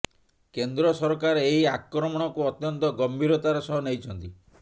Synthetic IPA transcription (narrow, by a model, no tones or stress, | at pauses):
kend̪ɾɔsɔɾɔkaɾeeɦiakɾɔmɔɽ̃ɔkuɔt̪jɔnt̪ɔɡɔmbʱiɾɔt̪aɾɔsɔɦɔnejt͡ʃʰɔnt̪i